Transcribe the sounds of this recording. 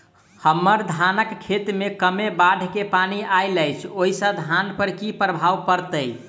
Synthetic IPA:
həmːəɾd̪ʱanəkkʰːet̪mekəmebaɖʱkepaniʔajləjt͡ʃʰoɦisə̃d̪ʱanpəɾkipɾəbʱawpəɾt̪əj

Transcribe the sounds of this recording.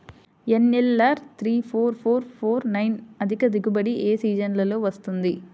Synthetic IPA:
enːelːɐɾt̪ʰɾiːpʰoːɾpʰoːɾpʰoːɾnɐjnɐd̪ʱikɐd̪iɡubɐɽiʔeːsiːd͡ʒɐnlɐloːʋɐst̪und̪i

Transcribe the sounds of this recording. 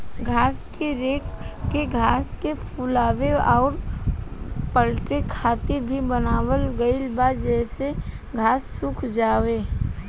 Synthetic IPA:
ɡʱaːskeɾeːkkeɡʱaːskepʰulaːweɔːɾ | pəlʈekʰaːt̪ɪɾbʱibənaːwəlɡəɪlbaːd̪d͡ʒɛːse | ɡʱaːsːʊkʰd͡ʒaːweː

